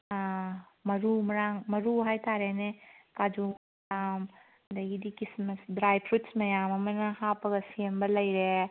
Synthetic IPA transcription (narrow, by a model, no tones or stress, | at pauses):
mɐɾumɐɾaŋmɐɾuɦajtaɾenekad͡ʒu | jam | dɐɡidikismɐsdɾajpʰɾutsmɐjamɐmɐnɐhapɐɡɐsiembɐlɐjɾe